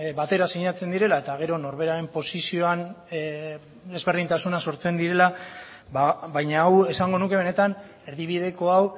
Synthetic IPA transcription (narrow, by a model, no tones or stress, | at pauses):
bat̪e̞ɾasiɲat͡se̞nd̪iɾe̞lae̞t̪aɣ̞e̞ɾo̞no̞ɾβe̞ɾaɾe̞mpo̞sisio̞an | d̪e̞zβe̞ɾð̞int̪asunaso̞ɾt͡se̞nd̪iɾe̞la | aβajɲaːwe̞saŋɡo̞nukee̞ne̞t̪an | e̞ɾðiβið̞e̞ko̞aw